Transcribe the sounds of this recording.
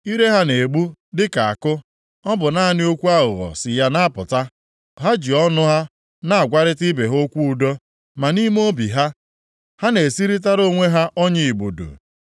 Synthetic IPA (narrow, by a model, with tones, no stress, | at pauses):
i˦ɾe˦ɦa˦ne˨ɡ͡bu˦dɪ˦ka˨a̰˨kʊ˦ | ɔ˦bʊ˨na˦a˦nɪ˦o˦kʷu˦a˦ɣʊ̰˨ɣɔ̰˨sɪ˨ja˦na˦a˦pʊ˨ta˦ | ɦa˦d͡ʒi˨ɔ˦nʊ˦ɦa˦ | na˨a˨ɡʷa˦ɾɪ˦tɪ˦be˨ɦo˦kʷu˦u˨do˦ | ma˨ni˦m˦o˦bḭ˨ɦa˦ | ha˦ne˨si˦ɾi˦t̬a˦ɾo˦ŋʷe˦ɦa˦ʔɔ˦ɲɪ˦i˨ɡ͡bo̰˨do̰˨